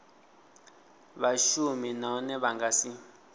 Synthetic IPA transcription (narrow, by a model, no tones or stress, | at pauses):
βaʃuminɔnɛβaŋɡasi